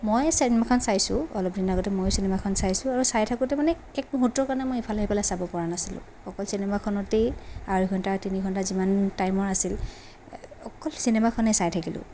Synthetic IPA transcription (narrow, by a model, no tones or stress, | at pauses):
mojsinemakʰɔnsajsʊ̃ɔlɔp̚dinaɡɔtɛmojsinɛmakʰɔnsajsʊ̃aɹusajtʰakutɛmanɛ | ɛk̚mɔɦutːɔkaɹnɛmojipʰalaɦipɛlajsabɔpɔɹanasilʊ̰̃ | ɔkɔlsinɛmakʰɔnɔteaɹiɡʱɔntatiniɡʱɔntazimantajmɔɹasil | ɔkɔlsinemakʰɔnɛsajtʰakilʊ̰̃